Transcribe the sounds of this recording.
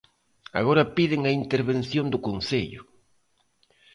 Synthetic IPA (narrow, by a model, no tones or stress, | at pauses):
a̰ɣoɾɐpiðɪŋɐint̪eɾβen̟θjond̪ʊkonθeʎʊ̰